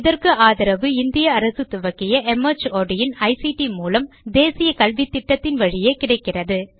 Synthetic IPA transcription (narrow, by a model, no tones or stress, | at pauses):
ɪðɐrkɯʔaːðɐɾɐʋɯɪnd̪ɪjɐːɾɐsɯt̪ʊʋɐkːɪjɐʔɛmɐt͡ʃoːɖɪjɪnɐɪsiʈimuːlɐm | d̪eːsɪjɐkɐlʋit̪ːɪʈːɐt̪ːɪnʋɐɻɪjeːkɪɽɐɪkːɪrɐðɯ